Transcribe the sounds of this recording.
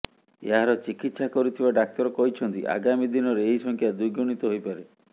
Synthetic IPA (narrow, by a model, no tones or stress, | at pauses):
ḛɦaɾɔt͡ʃikit̪sakɔɾut̪ʰibaɖak̚t̪ɔɾɔkɔɦit͡ʃʰɔnt̪ḭʔa̰ɡamid̪inɔɾeeɦisɔŋkʰjad̪uɡoɽ̃it̪ɔɦojpaɾe